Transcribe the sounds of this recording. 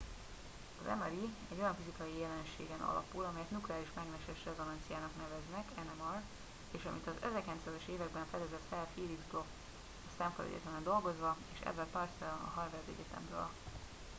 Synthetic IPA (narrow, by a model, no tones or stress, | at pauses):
ɒzɛ̰mɛɾiɛɟːo̞jɒɱfizikɒjijɛlɛnʃḛːɡɛnɒ̰lɒ̰pulɒmɛjɛt̪nuklɛaːliʃmɛɡnɛʃɛʃrɛzɒnɛnt̪sijaːnɒknɛvɛznɛkɛnɛmɒr | eːʃɒmit̪ɒzɛzɛkɛnt̪saːzɛʃeːvɛɡ̚bɛɱfɛd̪ɛzɛt̪fɛlfiːlibzblok | ɒsɛmflɛ̰ɟɛ̰t̪ɛmɛnd̪o̞lɡo̞zʋɒeːʃɛ̰zːɛlpɒrsɛlɒnɒ̰ɦɒrvɛrd̪ɛ̰ɟɛt̪ɛ̰mrø̰ːl